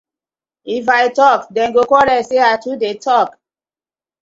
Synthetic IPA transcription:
ifaɪtɔkdɛ̃nɡokɔɾɛseatudetʰɔk

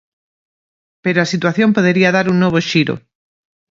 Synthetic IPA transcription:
peɾoasit̪waθjompoð̞eɾiaðaɾuŋnoβ̞oʃiɾo̰

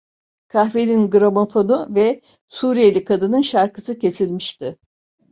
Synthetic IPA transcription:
kʰaxveninɡɯɾomofo̞nuvɛ | suɾijelʲikʰad̪ɯnɯnʃaɾkɯsɯcʰe̞silʲmiʃt̪ɪ

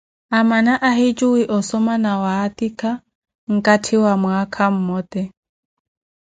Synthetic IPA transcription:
amanaʔaɦit͡ʃʼuwiʔɔsɔmanawaːt̪ikʰa | ŋ̩kʼatʰiwamwakʰam̩mɔːt̪ɛ

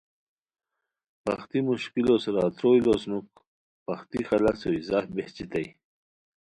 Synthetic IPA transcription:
pɐ̰xt̪imuɕkilosɾɑːt̪ɾojlosnuk̚ | paxt̪ixalasoizɑːfbeht͡ɕit̪aj

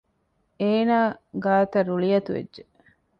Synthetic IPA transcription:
eːnaːɡaːt̪ɐɾuɭijɐt̪uʋḛdʒe

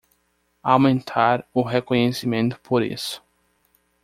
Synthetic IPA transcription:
awmẽnt̪ʰaɾʊɦekõɲesimẽnt̪ʊ̥pʰoɾḭsʊ̥

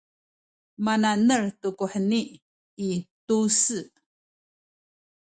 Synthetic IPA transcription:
mananərtukuħəni | itusɨ

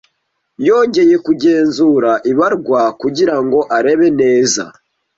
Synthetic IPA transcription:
jo̞ːɲɟe̞je̞kuɟe̞ːnzuɾaʔiβaɾɡwakuɟiɾaŋɡo̞ʔaɾe̞βe̞ne̞ːza̰

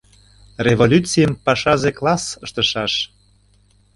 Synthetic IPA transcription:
revolʲut͡sijəmpɑʃɑzeklˠɑsəʃt̪əʃɑʃ

